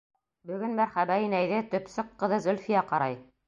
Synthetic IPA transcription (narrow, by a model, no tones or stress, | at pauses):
bɵ̆ɡɵnmæɾχæbæinæjðɘt̪ɵ̆psɤqːɤ̆ðɤzɵ̆lfijɑqɑɾɑj